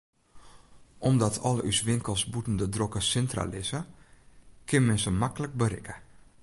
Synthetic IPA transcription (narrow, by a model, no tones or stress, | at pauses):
ʔɔmdɔtʰɔləysʋɪŋkəlˠsbutn̩dədrokəsɛntra̰lɪsə | kʰɪnmɛnsəmakələk̚bəɾɪkʰə